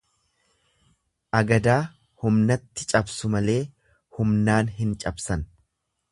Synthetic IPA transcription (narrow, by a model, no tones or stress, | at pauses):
ʔɐɡɐd̪aː | hʊmnɐt̪ːɪt͡ʃʼɐbsʊmɐle̞ː | hʊmnaːnɦɪnt͡ʃʼɐbsɐn